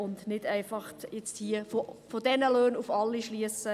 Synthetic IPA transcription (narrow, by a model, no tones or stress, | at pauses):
ʊndnɪdæɪfɑχtjɛt͡sthiːəfofodɛnəløːnufɑlːiʃliəsə